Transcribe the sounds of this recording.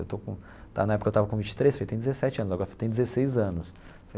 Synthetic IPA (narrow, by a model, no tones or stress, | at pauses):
ewt̪okõ | t̪a̰nɐɛpʊkɐewt̪avɐkõvĩnt͡ʃɪ̥t̪ɾejsfojt̪ẽj̃d̪d͡ʒɪzesɛt͡ʃɪɐ̃nʊzaɡɔɾɐfot̪ẽj̃d͡ʒ̪ɪzesejzɐ̃nʊs | fo